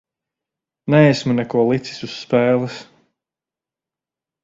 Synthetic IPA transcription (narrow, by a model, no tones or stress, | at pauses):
nɛesmunɛkuɔlˠit̪si̥susːpɛːlˠis